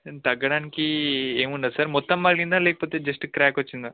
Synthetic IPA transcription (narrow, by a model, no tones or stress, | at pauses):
t̪ɐɡɐɽaːnikieːmuɳɖad̪sɐɾmɔt̪ːɐmːɐɭɡind̪aːleːkɐpoːt̪ed͡ʒɐsʈɨkɾaːkʋɐt͡ʃːind̪a